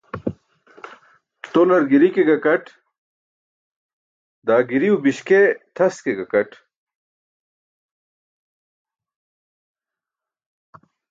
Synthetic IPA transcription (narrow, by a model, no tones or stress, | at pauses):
t̪olɐɾɡiɾikeɡɐkɐʈ | d̪aːɡiɾiubiɕket̪ʰɐskeɡɐkɐʈ